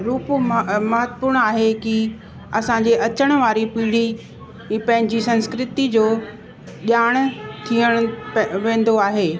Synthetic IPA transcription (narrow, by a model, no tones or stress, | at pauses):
ɾuːpmɐɦət̪əpʊɾɽ̃aːɦeki | ɐsãɲd͡ʑeʔɐt͡ɕəɽ̃ʋaːɾipiːɽ̤i | pɐ̃ɦɪ̃ɲd͡ʑisɐ̃nskɾɪt̪id͡ʑoː | ʄaːɽ̃t̪ʰiəɽ̃ʊʋẽːn̆d̪oaːɦeː